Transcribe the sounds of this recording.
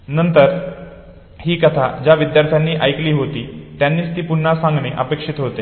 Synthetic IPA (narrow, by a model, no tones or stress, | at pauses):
nənt̪əɾ | hiːkət̪ʰa̰d͡ʑjaʋid̪jaɾt̪ʰjanːiːʔəjkliːɦot̪iːt̪janːiːst̪iːpuɳːasãŋɡneʔə̰pekʂit̪ɦot̪e